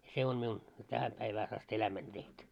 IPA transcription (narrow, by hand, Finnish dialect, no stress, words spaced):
se on miun tæhæ pæiʋæːs ɑst elæmænʲ tehtu